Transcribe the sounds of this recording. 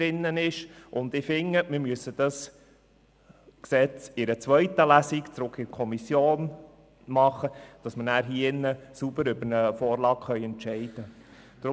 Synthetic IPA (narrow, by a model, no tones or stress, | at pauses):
ɾɪnːənɪʃʔʊnd̪ɪfɪŋːəmɪɾmyəsːəd̥ɑs | ksɛt͡sɪɾət͡sʋœʏtəlæsikt͡sɾʊkʰːɪkʰɔmisjoːn | mɑχəd̥ɑsmənæːɾɦiːɪnːəsub̥əɾʏbənəfoːɾlɑːkχœʏɛntt͡ʃɛɪd̥ə | d̥ɾ